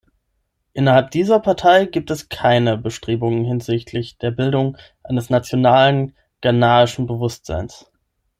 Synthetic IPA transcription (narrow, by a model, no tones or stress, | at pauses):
ʔɪnɐhalp̚d̥iːzɐpʰaɐtʰaɪɡiːp̚tɛskʰaɪnəbəʃtʁ̥eːbʊŋənhɪnzɪçtʰlɪçd̥eːɐbɪldʊŋ | ʔaɪnəsnat͡sjonaːlən | ɡ̥anaːɪʃn̩bəvʊstz̥a̰ɪns